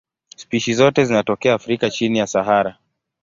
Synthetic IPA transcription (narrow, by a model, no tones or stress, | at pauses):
spiʃizɔtɛzinatɔkɛaːfɾikat͡ʃinijasaɦaɾa